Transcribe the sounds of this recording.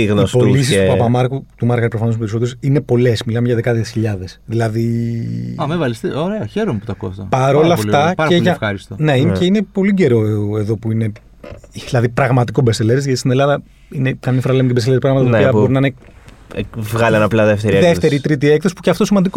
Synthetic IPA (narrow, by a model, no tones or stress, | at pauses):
iɣnospolis̬ist̪upɐpɐmɐɾkut̪umɐɾɣɐɾipɾofɐnospeɾiso̞t̪eosine̞po̞le̞smilɐmeʝɐðekɐðesçiʎɐðesðilɐði | ɐmevɐlist̪eoɾeɐçeɾomeput̪ɐko̰st̪ɐ̰pɐɾo̞lɐflt̪ɐpɐɾɐeʝɐfɐɾist̪one̞inceinepo̞liɟe̞ɾo̞eðo̞puine̞ | ðilɐðipɾɐɣmɐt̪ikobest̪eleɾezʝɐt̪ist̪ine̞lɐðɐ | inekɐmifoɾɐlemɟebesele̞ɾipɾɐɣmɐt̪ɐpːiɐbboɾinɐine | vɣɐliɐnɐplɐðeft̪eɾiðeft̪e̞ɾit̪ɾit̪iekðosipuceɐft̪osimɐnd̪iko